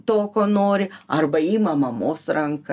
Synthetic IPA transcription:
t̪oːkoːnoːɾʲɪɐrbɐiːmɐmɐmoːsɾɐŋk

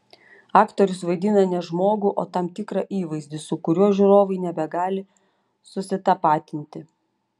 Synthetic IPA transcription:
ɑːkt̪ɔɾʲʊsʋɐɪd̪ʲɪnɐnʲɛʒmoːɡʊʔo̰ːt̪ɐmt̪ʲɪkɾɐʔiːʋɐɪzʲd̪ʲɪsʊkʊɾʲuɔʒʲuːɾoːʋɐɪnʲɛbʲɛɡɑːlʲɪ | sʊsʲɪt̪ɐpɑːt̪ʲɪnʲt̪ʲɪ

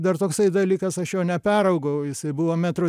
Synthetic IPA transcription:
d̪ɐrt̪oːksɐɪd̪ɐlʲiːkɐsɐʃjoːnʲɛpʲæːɾɐʊɡɐʊjɪsɐɪbuʋoːmʲæt̪ɾo

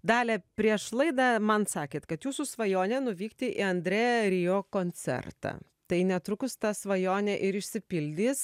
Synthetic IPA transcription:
d̪ɑːlʲɛːpʲɾʲiɛʃlˠɐɪd̪ɐmɐnsɑːkʲeːt̪kɐt̪juːsʊsʋɐjoːnʲɛnʊʋʲiːkt̪ʲɪʔɪɐnʲd̪ʲɾʲeːɾʲiːjoːkoːnʲt͡sʲɛ̰rt̪ɑ̰ː | t̪ɐɪnʲɛt̪ɾʊkʊst̪ɐsʋɐjoːnʲɛʔɪɾɪʃʲsʲɪpʲɪlʲd̪ʲiːs

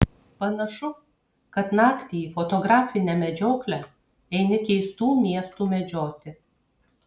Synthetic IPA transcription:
pɐnɐʃʊ | kɐt̪nɑːkt̪ʲiifɔt̪ɔɡɾɑːfʲɪnʲɛmʲɛd͡ʒʲoːklʲɛ | ɛɪnʲɪkʲɛɪst̪uːmʲiɛst̪uːmʲɛd͡ʒʲoːt̪ʲɪ

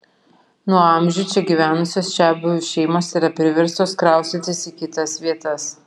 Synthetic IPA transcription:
nuɔɐˑmʲʒʲʊːt͡ʃʲɛɡʲiʋʲæːnʊsʲoːsʃʲæːbʊʋʲʊʃʲɛɪmoːsiɾɐpʲɾʲɪʋʲɛɾst̪oːskɾɑˑʊst̪ʲɪnt̪ʲɪsiːkʲɪt̪ɐsʋʲiɛt̪ɐs

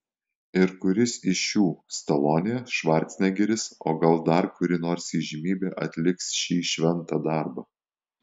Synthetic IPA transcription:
ɪɾkʊɾʲɪsɪʃjuːst̪ɐlˠoːnʲɪjɛʃʋɐɾʲt̪ʲsʲnʲɛɡʲɛɾʲɪso̰ːɡɐlˠd̪ɐɾkʊɾʲɪnoːɾsiːʒʲɪmʲiːbʲeːʔɐt̪ʲlʲɪksʃʲiːʃʲʋʲɛnt̪ɑːd̪ɑˑɾbɐ

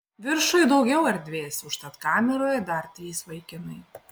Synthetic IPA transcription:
ʋʲɪɾʃʊjd̪ɒʊɡʲɛʊɐɾʲd̪ʲʋʲeːsʲʊʃt̪ɐt̪kɑːmʲɛɾoːjɛd̪ɐɾt̪ʲɾʲiːsʋɐɪkʲɪnɐɪ

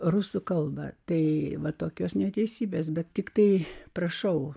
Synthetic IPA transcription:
ruːsʊkɐlˠbɐ̰t̪ɐɪʋɐt̪oːkʲoːsnʲɛt̪ʲɛɪsʲiːbʲeːs̬bʲɛt̪tʲɪkt̪ɐɪpɾɐʃɐʊ

